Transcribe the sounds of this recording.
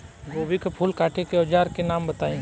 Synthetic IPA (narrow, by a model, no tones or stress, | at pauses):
ɡoːbikpʰʊlkaːʈʰekeɔd͡ʒaːɾkenaːmbɐt̪aːĩː